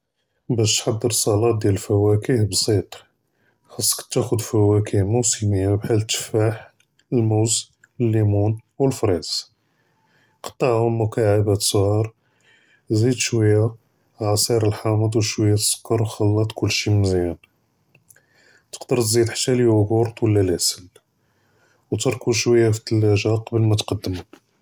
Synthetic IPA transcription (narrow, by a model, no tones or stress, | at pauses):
bæʃt̪ħɑd̪ːəɾsˤɑlɑt̪̚d̪jællfæwækəhbsˤit̪ˤ | xɑsˤːkt̪ːæxʊd̪fæwækəhmusiməjːabħælt̪ːə̥faħ | əlmuwz | əlːimunwəlfɾiz | qɑ̥t̪ˤːɑʕhʊmːʊkaʕabæt̪sˤhɑɾˤ | zid̪ʃwəjːa | ʕasˤiɾˤəlħaməd̪wʃwəjːæt̪ə̥sə̥kːɑɾwxɑlːɑt̪ˤkʊlːʃimnzjæn | t̪ə̥qd̪əɾˤt̪zid̪ħḁt̪ːæliwʊɡʊɾt̪ˤwəlːælæsəl | wt̪ɑɾˤkuʃwəjːaft̪ːəlːæʒaqɑbəlmæt̪qɑd̪ːəmu